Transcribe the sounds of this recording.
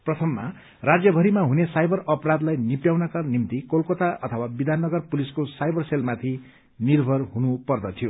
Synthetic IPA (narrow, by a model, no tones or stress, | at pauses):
prʌt̪ʰʌmːa̰ | rad͡zjʌbʱʌɾimaɦunesajbʱʌrʌprad̪lajnipjawnakanimt̪ikolkot̪aʔʌt̪ʰʌwabid̪ʱanːʌɡʌrpuliskosajbʱʌrselmat̪ʰi | nirbʱʌrɦunupʌrd̪ʌt̪ʰijo